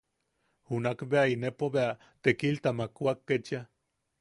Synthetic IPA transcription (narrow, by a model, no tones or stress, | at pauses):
hunakbeainepoβea | t̪ekilt̪amakuakːet͡ʃa